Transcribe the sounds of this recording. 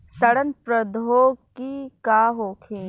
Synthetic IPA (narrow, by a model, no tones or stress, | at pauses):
sɐɽənpɾɐd̪ʱoːɡkikaːɦoːkʰẽː